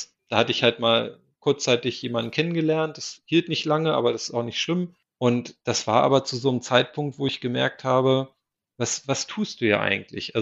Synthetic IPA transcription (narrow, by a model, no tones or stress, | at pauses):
s | d̥aːhatəɪçhaltmaːl | kʰʊɐt͡st͡saɪtɪçjeːmandn̩kʰɛnənɡəlɛɐnt̚d̥ashiːltnɪçtlaŋəʔa̰ːbɐɾasɪ̥staʊxnɪçtʃl̥ɪm | ʔʊntd̥asv̥aːɐʔa̰ːbɐt͡suzoːnəmt͡saɪt̚pʰʊŋktv̥oːɪçɡ̥əmɛ̰ɐk̚thaːbə | vasvastʰuːst̚d̥uːja̰ːʔa̰ɪɡŋ̩tʰlɪ̰çʔal